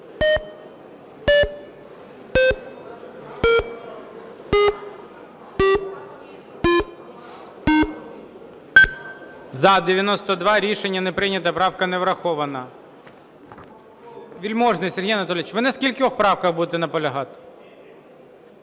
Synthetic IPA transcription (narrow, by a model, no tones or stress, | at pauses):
zɐd̪eʋʲjɐnɔst̪ɔd̪ʋɑɾʲiʃenʲːɐnepɾɪnʲɐt̪ɐpɾɑwkɐneʋɾɐxɔʋɐnɐ | ʋʲilʲmɔʒnɪjsʲeɦijɐnɐt̪ɔlʲɪt͡ʃʋɪnɛskʲilʲkʲɪɔxpɾɑwkɐxbud̪et̪ɛnɐpɔlʲɐɦɑt̪